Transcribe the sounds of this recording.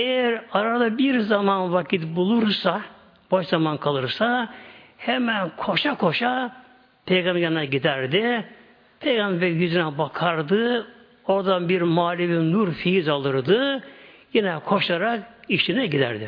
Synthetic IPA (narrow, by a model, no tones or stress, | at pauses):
ejæɾaɾad̪abiɾzamanvakʰit̪bulˠuɾsa | b̥aʃzamankʰalˠɯɾsahɛmænkʰo̞ʃakʰo̞ʃa | pʰejɡamɟɛɾinɛɟid̪æɾd̪ɪ | pʰe̞jɡambeɾijyzynɛbakʰaɾd̪ɯ | o̞ɾd̪anbiɾmaːlʲivinuɾfijizalˠɯɾd̪ɯjinɛkʰo̞ʃaɾakiʃinɛɟid̪æ̰ɾd̪ɪ